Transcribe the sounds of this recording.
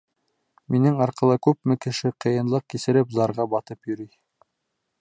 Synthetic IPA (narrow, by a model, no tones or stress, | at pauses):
minɘŋɑɾqɤ̆lˠɤkʉp̚mɘkɘ̆ʃɘqʰɤ̆jɤ̆nlˠɤq̚kisɘ̆ɾɘpzɑɾʁɑbɑt̪ɤpjɵ̆ɾij